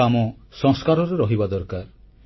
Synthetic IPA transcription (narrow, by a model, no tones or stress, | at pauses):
amɔsɔ̃ŋskaɾɔɾeɾɔɦibad̪ɔɾkaɾ